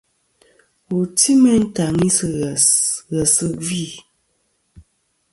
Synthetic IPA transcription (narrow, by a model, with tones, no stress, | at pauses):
u˨ti˦mɛ˦n̩˦ta˨ŋi˦sɨ˨ɣɛ˨sɨ˦vi˦˨